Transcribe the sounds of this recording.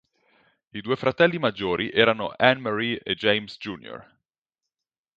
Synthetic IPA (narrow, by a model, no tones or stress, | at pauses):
id̪uːefɾat̪ɛlːimad͡ʒːoːɾʔiʔɛːɾano̰ʔɛnmaɾied͡ʒejmsd͡ʒuːnjo̰r